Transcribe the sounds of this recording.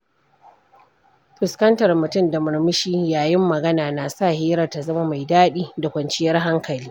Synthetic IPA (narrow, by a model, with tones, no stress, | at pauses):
ɸɪ˨skɐ˦ntɐ˨rmʊ˨tʊ˦˨nda˨mʊ˨ɾmɪ˦ʃiː˦jaː˨jɪ˦mːɐ˨ɡɐ˦naː˨naː˨sa˦˨heː˦ɾɐ˨rta˨zɐ˦ma˦ma˨jdaː˦ɗiː˦da˨kʷɐ˨nt͡ʃɪ˦jɐ˦rɦa˦ŋkɐ˨liː˦